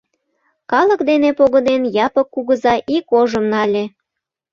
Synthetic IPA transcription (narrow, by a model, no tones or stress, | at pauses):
kɑlə̆kd̪enepoɣə̆d̪enjɑpəkːuɣəzɑʔikoʒəmnɑlʲe